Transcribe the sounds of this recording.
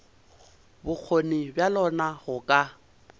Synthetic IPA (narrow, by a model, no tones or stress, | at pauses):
bʊk͡xʰonibjalɔnaɣʊkʼa